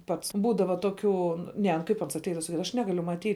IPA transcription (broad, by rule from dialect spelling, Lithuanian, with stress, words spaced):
ˈpɐts ˈbuːdɐʋɐ toːˈkʲuː ˈnʲɛ nʊ ˈkɐɪp ˈɐns ɐtʲˈɛɪdɐʋɐ sɐˈkʲiːdɐʋɐ ɐʃ ˈnʲæːɡɐlʲʊ mɐˈtʲiːt